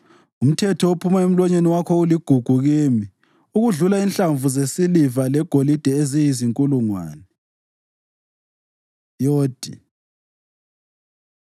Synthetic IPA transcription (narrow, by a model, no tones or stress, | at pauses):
um̩tʰɛtʰɔopʰumaem̩lɔɲeniwakʰɔuliɡ̥ʱuɡ̥ʱuɣiːmi | uɣuɮulainɬʼaɱvuzesilivalɛɡ̥ʱolid̥ʱɛezijiziŋkʼuluŋwa̰ːnɛ | joːd̥ʱḭ